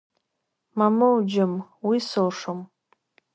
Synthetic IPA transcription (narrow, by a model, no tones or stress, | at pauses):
mamawd͡ʒamwisɨlʂom